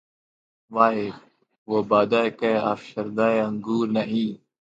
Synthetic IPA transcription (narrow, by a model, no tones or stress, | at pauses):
ʋaːɦeː | ʋoːbaːd̪aːkeːaːfʃəɾd̪aːeəŋɡuːɾnɐɦĩː